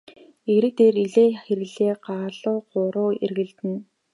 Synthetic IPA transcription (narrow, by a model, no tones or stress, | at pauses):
eɾɘ̆t̪eːriɮeːxeɾɘ̆ɮeːɢaːɮʊːɢʊɾʊːḛrɣɘ̆ɮt̪ɘ̆n